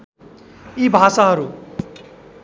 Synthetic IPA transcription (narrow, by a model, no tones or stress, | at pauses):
ibʱasaɦʌɾu